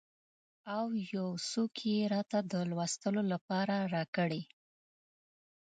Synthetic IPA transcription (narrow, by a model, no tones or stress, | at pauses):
awjawsokʰjeɾɑt̪ad̪əlwɑst̪əlolapɑɾaɾɑkəɽe